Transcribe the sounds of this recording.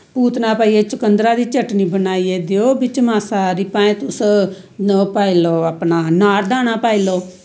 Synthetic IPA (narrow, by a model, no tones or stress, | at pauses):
puːt̪naːpaːieːt͡ʃʊkənd̪ɾaːd̪iːt͡ʃəʈniːbənaːiːeːd̪eoːbɪt͡ʃmaːsaːɾipãːẽːt̪ʊs | paːiloːəpnaːnaːɾd̪aːnaːpaːiːloː